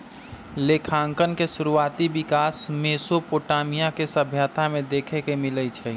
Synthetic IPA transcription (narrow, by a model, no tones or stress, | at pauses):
leːkʰaːŋkənkeʃʊɾuaːt̪ibɪkaːsmeːsopoːʈaːmijãkesəbʱjət̪ʰamẽd̪eːkʰekemɪlət͡ʃʰɛ